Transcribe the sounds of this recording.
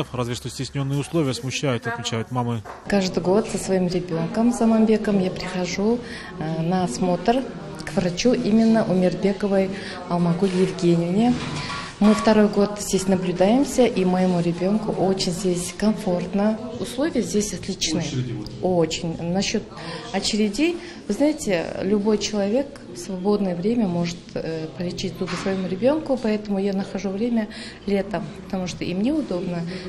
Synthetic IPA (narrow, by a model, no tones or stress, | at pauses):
frazvʲɪʂt̪osʲtʲɪsʲnʲo̞nːɨjʊslˠo̞vʲɪjəsmʊɕːæjʊt̪ɐt̪mʲɪt͡ɕæjʊt̪mamɨkaʐd̪ɨjɡo̞t̪səsvɐimrʲɪbʲo̞nkəmzɐmanbʲe̞kəmjapɾʲɪxɐʐu | nɐsmo̞t̪r | kvrat͡ʃuʔimʲːɪnːəʔumʲɪrbʲe̞kəvəj | ɐlˠmɐɡolʲjɪvɡʲe̞nʲɪvnʲɪ | mɨft̪ɐɾo̞jɡo̞t̪z̥ʲdʲesʲnɐblʲʊd̪ajɪmsʲəʔiməjɪmuɾʲɪbʲo̞nkʊʔo̞t͡ɕɪnʲzʲdʲe̞sʲkɐmfo̞rt̪nəʊslˠo̞vʲɪjəzʲdʲesʲɐt̪lʲit͡ɕnɨəo̞t͡ɕɪnʲnɐɕːo̞t̪ɐt͡ɕɪɾʲɪdʲij | vɨznajɪtʲɪlʲʊbo̞jt͡ɕɪlˠɐvʲe̞k | fsvɐbo̞d̪nɨjəvɾʲemʲəmo̞ʐɨt̪pəlʲɪt͡ɕit̚ʲd̪uɡəsvɐjɪmuɾʲɪbʲo̞nkʊpɐɛt̪əmʊjanəxɐʐuvɾʲemʲə | lʲe̞t̪əmpə̥t̪ɐmuʂt̪o̞ʔimnʲeʊd̪o̞bnə